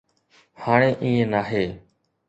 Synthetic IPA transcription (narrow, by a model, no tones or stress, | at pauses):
haːɳ̃eːʔiːẽːnaːɦeː